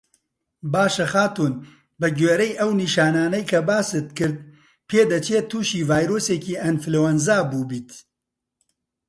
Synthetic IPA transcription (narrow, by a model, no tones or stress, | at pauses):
baːʃɐxaːt̪uːn | bɨɡeːɾɐjʔɐwniːʃaːnaːnɐjkʰɐbaːsɨt̪̚kɨɾd̪̚ | pʰeːd̪ɐt͡ʃʰeːt̪ʰuːʃiːvaːjɾoːseːkiːɐnflewɐnzaːbuːbiːt̪